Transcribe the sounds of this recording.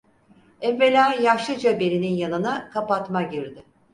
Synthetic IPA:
ɛvːe̞lʲaːjaʃˠɯd͡ʒabe̞ɾininjanɯnakʰapat̪maɟiɾd̪ɪ

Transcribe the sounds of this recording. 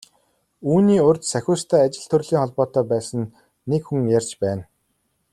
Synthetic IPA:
uːniːʊrʲt͡ɕ̪sæxʲʊːst̪ʰæːat͡ɕɪ̆ɮt̪ʰɵrɮiːŋχɔɮpɔːt̪œːpæːsə̆nː | ekxuŋjarʲt͡ɕpæːn

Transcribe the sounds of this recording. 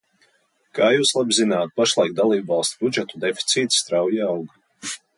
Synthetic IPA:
kaːjuːslˠabizinaːt̪̚paʃlˠajk̚d̪alˠiːbvɑlˠst̪ubud͡ʒɛt̪ud̪efi̥t̪siːt̪st̪ɾawjawɡ

